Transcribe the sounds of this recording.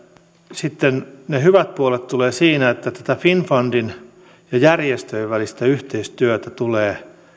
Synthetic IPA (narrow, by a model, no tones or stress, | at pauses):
sit̪ːennehyʋæt̪̚puolet̪t̪uleːsiːnæet̪ːæt̪æt̪æfinfɑndin | jɑjærjest̪øiʋʋælist̪æyht̪eist̪yøt̪æt̪uleː